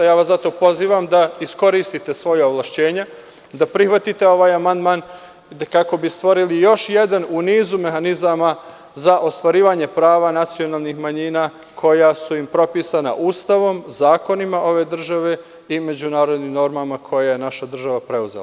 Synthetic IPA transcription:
jaːʋasat̪o̞po̞ziːʋamd̪aisko̞ɾiːst̪it̪e̞sʋo̞jaoʋlˠaʃt͡ɕe̞ːɲe | d̪apɾixʋat̪it̪e̞o̞ʋaːjamand̪maːn | kako̞bist̪ʋo̞ɾilijo̞ʃje̞d̪anuniːzume̞xanizama | zaʔo̞st̪ʋaɾiːʋaɲe̞pɾaːʋanat̪sio̞naːlˠnixmaɲiːnaː | kʰo̞jasuimpɾo̞piːsana̰ʔuːst̪aʋo̞mzaːko̞nimaʔo̞ʋe̞ːd̪r̩ʒaʋe̞ | ime̞d͡ʑunaːɾo̞d̪nimno̞ɾmamakʰo̞jajenaʃad̪r̩ʒaʋapɾe̞uzḛ

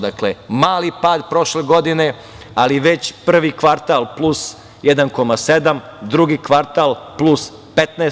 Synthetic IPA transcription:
d̪aklemaːlipaːd̪pɾo̞ʃleɡo̞d̪ine̞ | aliʋet͡ɕpr̩ʋikʋaɾt̪alˠplˠus | jed̪anko̞mased̪amd̪ɾuɡikʋaɾt̪alˠplus | pet̪neː

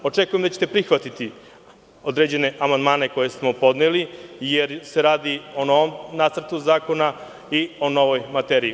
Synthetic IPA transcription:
o̞t͡ʂekujemd̪at͡ɕe̥t̪epɾixʋat̪it̪i | o̞d̪ɾed͡ʑe̞ne̞ʔamand̪maːne̞ko̞je̞smo̞po̞d̪nelijeɾse̞ɾaːd̪io̞no̞ʋo̞mnat̪sr̩t̪uzaːko̞na | io̞no̞ʋo̞jmat̪eɾiː

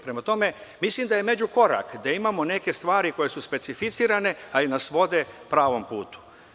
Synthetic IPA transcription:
pɾemat̪o̞me̞mislimd̪ajeme̞d͡ʑuko̞ɾa̰kd̪aimamo̞ne̞ke̞st̪ʋaːɾiko̞je̞suspe̞t̪sifit̪siːɾane̞alinasʋo̞d̪e̞pɾaːʋo̞mpṵːt̪u̥

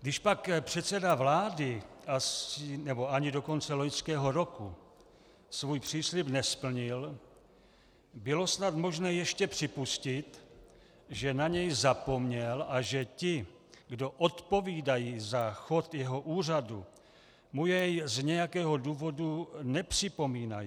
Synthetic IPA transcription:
ɡdɪʃpakpr̝̥ɛt̪sɛdavlaːdɪʔasɪnɛbo̞aɲɪdo̞ko̞nt͡sɛlo̞ɲskɛːɦo̞ɾo̞ku | svujpr̝̥iːslɪpnɛspl̩ɲɪl | bɪlo̞snat̪mo̞ʒnɛːjɛʃcɛpr̝̥ɪpuscɪt̪ | ʒɛnaɲɛjzapo̞mɲɛlʔaʒɛcɪ | ɡdo̞ʔot̪po̞viːdajiːzaxo̞t̪jɛɦo̞ʔuːr̝adṵ | mujɛjzɲɛjakɛːɦo̞duːvo̞dunɛpr̥ɪpo̞miːnaji

